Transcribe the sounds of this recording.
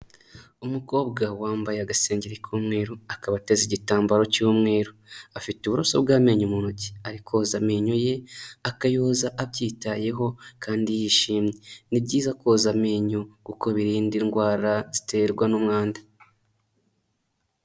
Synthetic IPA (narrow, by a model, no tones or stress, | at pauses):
umuko̞ːbɡawaːmbajeaɡase̞ːɲɟeɾekuːmŋe̞ːɾoakaβate̞ziɟitaːmbaɾo̞cuːmŋe̞ːɾoafituβuɾoso̞bɡaːme̞ːɲumuːnoci̥aɾikʰo̞zameːɲoje̞akajozaʔaβɟiːtaje̞ɦo̞kaːndijiʃiːmɲenibɟiːzakoːzameːɲokuko̞βiɾiːndiŋɡwaːɾaz̥i̥te̞ɾɡwanumŋaːndḁ